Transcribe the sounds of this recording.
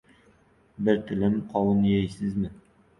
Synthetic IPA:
bɪɾt̪ʰɪlɪmqʰɒwɨnjejsɪzmɪ

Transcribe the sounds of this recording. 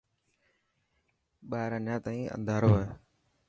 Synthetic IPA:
ɓaːɾaːnãːt̪aːĩːʔə̰̃nd̪ʱaːɾoːeː

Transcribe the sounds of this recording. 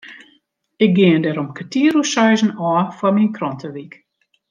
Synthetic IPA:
ɪk̚ɡɪəndɛɾɔmkʰətiəɾusœjzən̩ɔːfwɔminkrɔntʰəʋik

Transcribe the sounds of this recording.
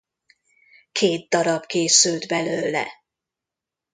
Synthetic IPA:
kʰeːd̪̚d̪ɒɾɒbkeːsylt̪bɛløːlɛ̰

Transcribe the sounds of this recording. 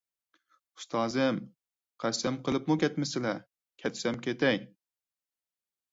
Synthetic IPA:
u̥st̪ʰɑːzɨm | qʰæsɛmqʰəlˠɨpmukʲʰɛt̪mɪsɪlɛ | kʲʰɛt̪ʰsɛmkʲet̪ɛj

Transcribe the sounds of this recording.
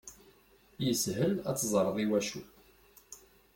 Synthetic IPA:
jəsɦəlæ̰t͡sːzˤɾˤəðˤiwæʃu

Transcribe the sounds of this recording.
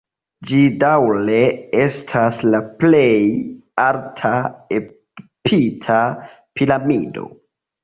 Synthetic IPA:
d͡ʒidawle̞e̞stʰaslaple̞jaltʰae | pʰitʰa | pilamido̰

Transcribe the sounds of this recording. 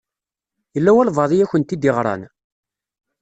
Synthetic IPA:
jəlːæwælvɑðˤijæçənt̪ːid̪ɪʁɾˤɑ̰n

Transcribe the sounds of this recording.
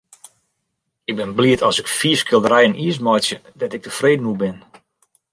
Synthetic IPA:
ɪɡ̚bɪnbliətʰɔsɪkfiəskɪlˠdəɾɛjəniəs̬mɔjsjədɔtɪk̚təfreːdənubɪn

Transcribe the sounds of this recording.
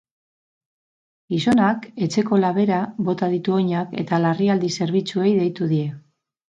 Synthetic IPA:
iso̞nake̞t͡se̞ko̞laβ̞e̞ɾaβo̞t̪aðit̪uo̞ɲake̞̰t̪alariald̪ise̞ɾβ̞it͡sue̞jðe̞jt̪uðie̞

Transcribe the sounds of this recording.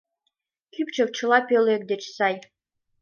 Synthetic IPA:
kʲypt͡ʃʰə̆k̚t͡ʃʰəlˠɑpølek̚d̪et͡ʃsɑj

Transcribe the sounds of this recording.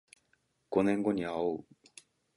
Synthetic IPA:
ɡ̥o̞nẽ̞ŋɡo̞ɲ̟iaoɯ

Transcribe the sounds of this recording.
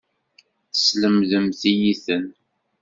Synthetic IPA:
θəsləmðəmθijiθən

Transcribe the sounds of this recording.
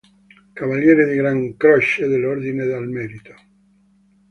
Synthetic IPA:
kavaljɛːɾed̪iɡɾaŋkɾɔʃed̪eloɾd̪ined̪almɛɾit̪o̥

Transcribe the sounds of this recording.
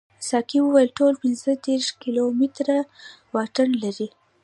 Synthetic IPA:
sɑkiwəwajəlʈolpɪnzəd̪eɾʃkilomit̪ɾa | wɑʈanlaɾi

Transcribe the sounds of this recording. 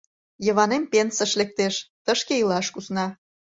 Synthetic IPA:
jə̆βɑnempensəʃlek̚t̪eʃt̪əʃkeilɑʃkusnɑ

